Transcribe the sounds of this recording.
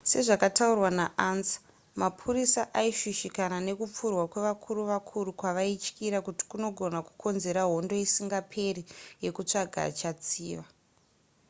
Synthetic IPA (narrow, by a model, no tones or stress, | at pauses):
se̞ʐakataurwanaʔansḁ | mapʰurisaʔaiʃuʃikanane̞kup͡furwakwe̞ʋakʰuɾuʋakʰuɾukwaʋait͡ʃkiɾakuti̥kuno̞ɡʱo̞naku̥ko̞nze̞ɾaɦo̞ndo̞isiŋɡapʰe̞rije̞kut͡ʂaɡʱa̰t͡ʃat͡sḭːʋa